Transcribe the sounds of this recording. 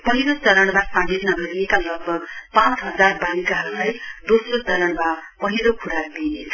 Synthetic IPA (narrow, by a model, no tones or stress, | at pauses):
pʌɦiɾot͡sʌɾʌɽ̃masaɽisnʌbʱʌɾiekalʌɡ̚bʱʌɡpãt͡sɦʌd͡zarbalikaɦʌɾulajd̪osrot͡sʌɾʌɽmapʌɦiɾokʰuɽaɾbinet͡sʰʌ